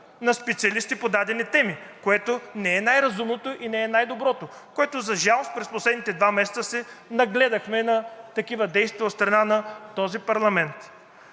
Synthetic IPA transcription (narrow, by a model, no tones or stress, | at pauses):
nɐspɛt̪siɐlist̪ipod̪ad̪ɛnit̪ɛmikoɛt̪onɛɛnajɾɐzumnot̪oʔinɛɛnajd̪obɾɔt̪o | koɛt̪ozɐʒalˠost̪̚pɾɛsposlɛd̪nit̪ɛd̪vamɛsɛ̥t̪əsɛnɐɡlɛd̪ɐxmɛnɐt̪ɐkivɐd̪ɛjst̪iot̪st̪ɾɐnanɐt̪ɔzipɐɾlˠɐmɛnt̪